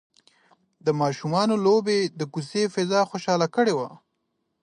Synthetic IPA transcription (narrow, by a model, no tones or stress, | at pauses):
d̪əmɑʃumɑnolobed̪əkusefɪzɑxoʃɑlakəɽewa